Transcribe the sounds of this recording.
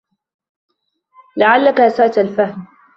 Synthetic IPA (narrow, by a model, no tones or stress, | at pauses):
laʕalːakasaʔt̪alfahm